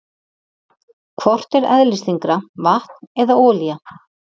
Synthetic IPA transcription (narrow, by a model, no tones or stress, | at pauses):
kʰvɔr̥t̪ɛɾɛ̰ðlɪst̪iŋkɾavaht̪nɛðaɔːlija